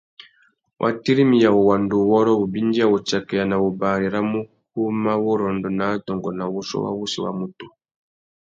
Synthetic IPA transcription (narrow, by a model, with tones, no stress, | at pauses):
wʔa̰˨ti˦ɾi˦mi˨ja˨wo˨wa˨ndu˨wɔ˦ɾɔ˦u˨bi˦ndi˦a˨wɔ˨t͡ʃa˨kɛ˨ja˨na˨o˨ba˨ɾi˨ɾa˦mu˦ku˦ma˦wɔ˦ɾɔ˨ndɔ˨na˨˦dɔ˨ŋɡɔ˨na˨wu˦sɔ̰˦wa̰˦wu˦si˨wa̰˨mu˨tu˨